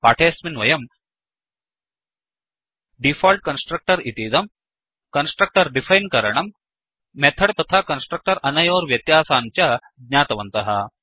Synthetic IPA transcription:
paːʈʰeːsminʋɐjɐm | ɖifɔːlʈ̚kɐnsʈɾɐk̚ʈɐɾit̪iːd̪ɐm | kɐnsʈɾɐk̚ʈɐɾɖifʰajnkɐɾɐɳ̃ɐmː | ɛt̪ʰɐɽt̪ɐt̪ʰakɐnsʈɾɐk̚ʈɐɾʔɐnɐjoːɾʋjɐt̪jaːsaːnt͡ɕja | ɡɲaːt̪ɐʋɐnt̪ɐɦɐ̰

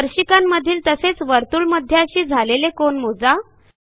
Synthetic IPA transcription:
əɾɕikamːəd̪ʱiːlt̪əset͡sʋəɾt̪uːɭməd̪ʱːjaəɕiːd͡zʱalelekoɳmod͡za

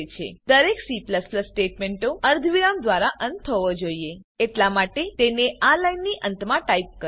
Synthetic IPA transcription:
t͡ʃʰḛd̪əɾeksipləspləsʈeʈmeɳʈoəɾd̪ʱʋiɾamd̪ʋaɾaʔənt̪ʰːəʋod͡ʒoie | eʈlamaʈet̪eneʔalainːiʔənt̪mãʈaip̚kə

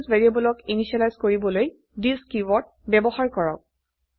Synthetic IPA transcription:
zvɛɹiabɔlɔkiniʃialajzkoɹibɔloj | diskiwɔt̚ | bɛbɔxaɹkɔɹɔ̰k̚

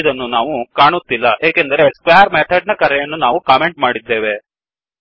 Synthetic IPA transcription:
d̪ɐnːunaːʋukaːɳut̪ːilːɐʔeːkend̪ɐɾeskʋjaːɾmeːt̪ʰɐɖ̚nɐkɐɾɛjɐnːunaːʋukaːme̞ɳʈmaːɽid̪ːeːʋe̞

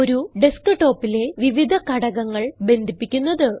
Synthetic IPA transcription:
o̞ɾuɖeskɨʈo̞ːpːile̞ʋiʋid̪ʱɐkɐɽɐɣɐŋːɐɭbe̞nd̪ʱipːikʲːunːɐðɨ

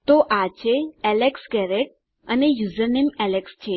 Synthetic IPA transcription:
t̪oʔat͡ɕʰeɛleksɡɛɾek̚ | ənejuzəɾnemɛlekst͡ɕʰe

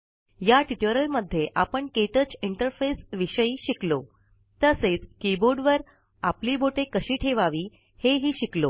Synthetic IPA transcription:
jaʈiʈoɾəlməd̪ʱːjeʔapəɳket̪ət͡siɳʈəɾfesʋiɕəiːɕiklo | t̪əset͡skiboɾɖʋəɾ | apliːbʱoʈekəɕiːʈʰeʋaʋiː | heɦiːɕiklo

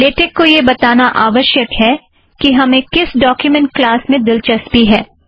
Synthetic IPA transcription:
leːʈɪkːojebɐt̪aːnaʔaːʋəʃjəkɦɛ | kiɦɐmẽkɪsɖɔːkjumɛ̃ɳʈ̚klaːsmẽd̪ɪlt͡ʃɐspiɦɛː

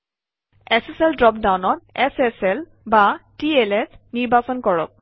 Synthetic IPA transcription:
eseseldɹɔp̚dawnɔt̪̚ɛsɛsɛl | batielesniɹbʱasɔnkɔɹɔ̰k̚

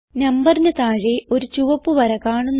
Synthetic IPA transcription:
nɐmbɐrnɐt̪aːɻeo̞ɾut͡ɕuʋɐpːuʋɐɾɐkaːɳunː

